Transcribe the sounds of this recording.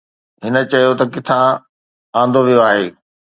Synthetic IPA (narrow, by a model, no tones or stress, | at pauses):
ɦɪnə̆t͡ɕɐjot̪ɐkɪt̪ʰã | ãːn̆d̪ʱoʋijoaːɦeː